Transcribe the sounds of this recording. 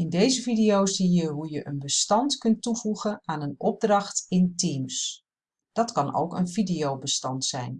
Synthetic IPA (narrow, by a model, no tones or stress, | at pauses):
ɪndejzəvidijowszijəɦujəʔənbəstɑntkɵntuvuɣənaːnənɔb̚drɑxtɪntims | d̥ɑtkɑno̰wkə̰nvidiowbəstɑntsɛ̰jn